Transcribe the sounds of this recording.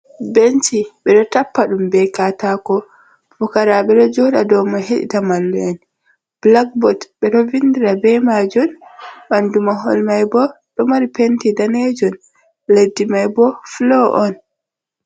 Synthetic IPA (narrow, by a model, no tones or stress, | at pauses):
bent͡ʃiɓɛɗɔtapːaɗumbɛkatakɔ | bɔkaɾaɓɛɗɔd͡ʒɔhɗadɔmaɦeɗḭtamalːuɛn | b̥lakbɔtɓɛɗɔvindiɾabɛmad͡ʒɔnɓandumaɦɔ̰lmajbɔ | ɗɔmaɾipentidaned͡ʒɔn | ledːimajbɔflɔʔɔn